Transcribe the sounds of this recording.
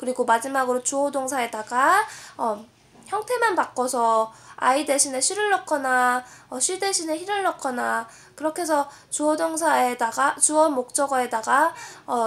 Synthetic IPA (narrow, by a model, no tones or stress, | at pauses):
kɯɾiɡomad͡ʑimaɡɯɾot͡ɕuʌdoŋsʰae̞daɡaʌ | çjʌŋtʰe̞manpak͈ʌsʰʌa̰ide̞ɕʰine̞ɕʰiɾɯɭːʌkʰʌnaʌɕʰiɭde̞ɕʰine̞çiɾɯɭːʌk͈ʰːʌna | kɯɾʌkʰe̞sʰʌ | t͡ɕuʌdoŋs̬ʰaedaɡat͡ɕuʌmok̚t͡ɕ͈ʌɡʌe̞daɡaʌ